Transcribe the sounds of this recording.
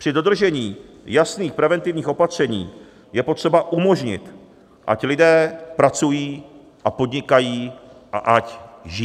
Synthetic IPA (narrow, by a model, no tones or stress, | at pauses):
pr̝̥ɪdo̞d̪r̩ʒɛɲiː | jasniːxpɾɛvɛnt̪ɪvɲiːxo̞pat̪r̝̥ɛɲiː | jɛpo̞t̪r̥ɛbaʔumo̞ʒɲɪ̰t̪ | ʔa̰clɪdɛːpɾat͡sujiː | ʔapo̞d̪ɲɪkajiːʔa̰ʔacʒɪ